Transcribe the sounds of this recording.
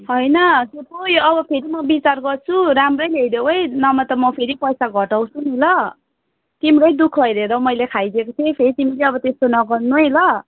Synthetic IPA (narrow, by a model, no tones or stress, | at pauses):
hʌjnʌsep̪ojoʌbʌpʰeɾimʌbit͡sarɡʌrt͡sʰuɾamrʌjlejɾewɦʌjnʌmʌt̪ʌmʌpʰeɾipʌjsaɡʱʌʈaw̃t͡sʰunilʌ | t̪imrʌjd̪ukʰʌjɾeɾʌmʌjlekʰajd̪ekot̪ʰepʰeɾit̪imileʌbʌt̪est̪onʌɡʌrnuɦʌjlʌ